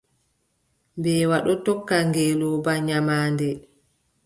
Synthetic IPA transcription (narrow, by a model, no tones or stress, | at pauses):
mbɛːwaɗɔtɔkːaŋɡɛlɔbaɲamaːndɛ